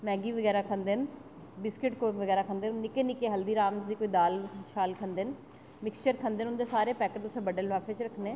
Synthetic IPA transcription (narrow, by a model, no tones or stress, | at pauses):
mɛ̃ːɡiːʋəɡɛːɾaːkʰənd̪eːn | bɪskɪʈkoːʋəɡɛːɾaːkʰənd̪eːnnɪkeːnɪkeːɦəld̪iːɾaːmsd̪iːkoːiːd̪aːlʃaːlkʰənd̪en | mɪkst͡ʃəɾkʰənd̪eːnʊnd̪eːsaːɾeːpɛːkəʈt̪ʊsẽːbəɖeːlʋaːfʰeːt͡ʃɾəkʰneː